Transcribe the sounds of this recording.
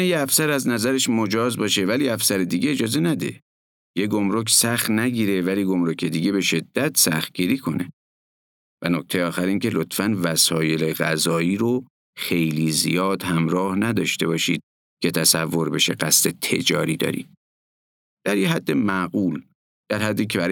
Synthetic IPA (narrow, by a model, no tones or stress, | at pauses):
nejeæfsæɾæznæzæɾeʃmod͡ʒɒːzbɒːʃe̞væliːæfsæɾed̪iːɟe̞ːd͡ʒɒːze̞næd̪e̞̰ | jeɡo̞mɾokʰsæxt̪næɟiːɾe̞væliːɡo̞mɾo̞kʰe̞d̪iːɟe̞be̞ʃe̞d̪̥ːæt̪ʰsæ̰xt̪̚ɟ̥iɾiːkʰo̞ne̞̰ | væno̞c̚t̪e̞jeɒːxæɾiŋkʰe̞lo̞t̪fænvæsɒːje̞le̞ɣæzɒːiːɾo | xe̞jliːzḭjɒːd̪̥hæmɾɒːhnæd̪ɒːʃt̪ʰe̞bɒːʃiːd̪̥̚ | cʰe̞t̪ʰæsævːo̞ɾbe̞ʃe̞ɡæst̪e̞t̪ʰe̞̰d͡ʒɒ̰ːɾiːd̪ɒ̰ːɾḭd̪̥̚ | d̪̥æɾjeɦæd̪ːemæɣuːl | d̪̥æɾhæd̪ːiːcʰeæɾ